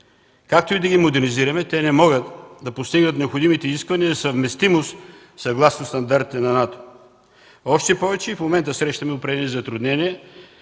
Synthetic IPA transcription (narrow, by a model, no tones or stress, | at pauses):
kak̚t̪oid̪ɐɡʲimod̪ɛɾniziɾɐmɛt̪ɛnɛmɔɡət̪d̪ɐpost̪iɡnət̪nɛopxod̪imit̪ɛiziskvɐniəzɐsɐvmɛst̪imost̪ | sɐɡlˠasnost̪ɐnd̪aɾt̪it̪ɛnɐnat̪o̥ | ɔʃt̪ɛpɔvɛt͡ʃɛifmomɛnt̪əsɾɛʃt̪ɐmɛʊpɾɛɛnizɐt̪ɾʊd̪nɛniɛ